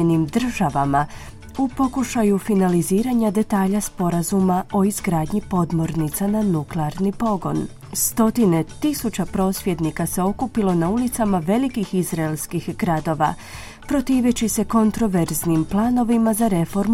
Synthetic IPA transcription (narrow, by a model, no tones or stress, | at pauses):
enimd̪r̩ʒaʋama | upo̞kuʃajufinaliziːɾaɲad̪e̞t̪aːʎaspo̞ɾazumaʔo̞izɡɾaːd̪ɲipo̞d̪mo̞ɾnit̪sananukleaɾnipo̞ɡo̞̰n | st̪o̞t̪ine̞t̪isut͡ɕapɾo̞ːsʋʲje̞d̪nikase̞o̞kupilˠo̞naulit̪samaʋe̞likixizɾaelskixɡɾad̪o̞ʋa̰ | pɾo̞t̪iːʋet͡ɕise̞ko̞nt̪ɾo̞ʋe̞ɾznimplˠaːno̞ʋimazaɾe̞fo̞ɾm